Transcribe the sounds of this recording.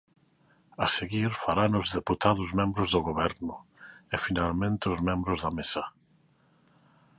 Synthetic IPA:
aseɣiɾfaɾanʊzðeput̪aðʊzmẽmbɾʊzðoɣoβɛɾnʊefinalmẽnt̪eʊzmẽmbɾʊzðamesa

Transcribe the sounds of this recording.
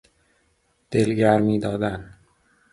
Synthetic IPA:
d̪̥e̞lɟæɾmiːd̪ɒːd̪æn

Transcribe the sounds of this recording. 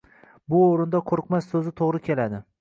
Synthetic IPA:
bʊoɾɪnd̪aqʰoɾɨqmasːɵzɪt̪ʰoʁɾɪkʲʰelad̪ɪ

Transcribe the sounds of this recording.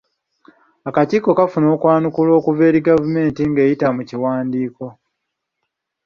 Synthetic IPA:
akatiːko̞kafuno̞ːkwaːnukulo̞ːkuve̞ːɾiɡavume̞ːntiŋɡe̞ːjitamuciwaːndiːko̞

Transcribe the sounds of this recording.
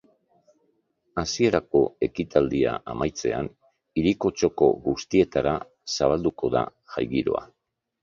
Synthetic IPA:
asie̞ɾako̞e̞kit̪ald̪ia̰ʔamajt͡se̞a̰n | iɾiko̞t͡ʃo̞ko̞̰ɣust̪ie̞t̪aɾa | saβ̞ald̪uko̞ða̰ʝajɣiɾo̞a̰

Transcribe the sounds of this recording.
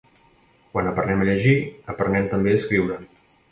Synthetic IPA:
kwanəpəɾnɛməʎəʒiəpəɾnɛmt̪əmbeəskɾiwɾə

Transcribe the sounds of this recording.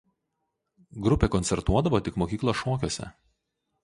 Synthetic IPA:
ɡɾʊpʲeːkɔnʲsʲɛɾt̪uɔd̪ɐʋoːt̪ʲɪkmoːkʲiːklˠoʃoːkʲoːsʲɛ̰

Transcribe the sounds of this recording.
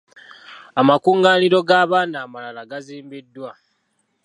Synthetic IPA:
amakuːŋɡaːniɾo̞ɡaːβaːnaːmalalaɡaziːmbidːwa

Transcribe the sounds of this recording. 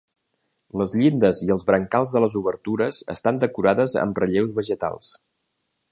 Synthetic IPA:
ləzʎind̪əziəlˠzβɾəŋkalˠzðələzuβəɾt̪uɾəz̥ə̰st̪and̪əkuɾaðəzə̰mrəʎewzβəʒət̪a̰lˠs

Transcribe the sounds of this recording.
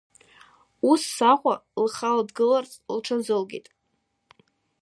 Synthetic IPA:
usːaχʷalχaladɡɨlart͡sʼlʈ͡ʂʰazɨlɡʲḭtʼ

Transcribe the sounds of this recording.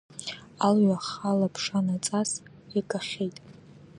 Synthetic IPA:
alɥaχalapʰʂanat͡sʼasikʼaχʲejtʼ

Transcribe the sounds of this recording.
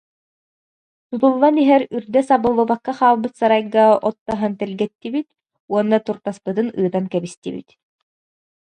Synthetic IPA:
t̪ut̪ulˠːaniɦɛɾyɾd̪ɛsabɯlˠːubakːaχaːlˠbɯt̪saɾajɡaɔt̪ːaɦant̪ɛlɡɛt̪ːibit̪̚ | uɔnːat̪uɾt̪aspɯt̪ɯnɯːt̪ankɛbist̪ibḭt̪

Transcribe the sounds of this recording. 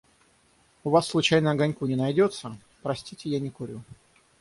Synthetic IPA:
ʊvasːlˠʊt͡ɕajnəɐɡanʲkʊnʲɪnɐjdʲot̪sə | pɾɐsʲtʲitʲɪjanʲɪkʊɾʲu

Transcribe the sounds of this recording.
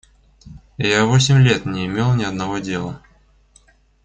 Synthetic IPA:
javos̬ʲɪmʲlʲe̞t̪nʲɪɪmʲe̞lˠnʲɪɐd̪nɐvodʲe̞lˠə

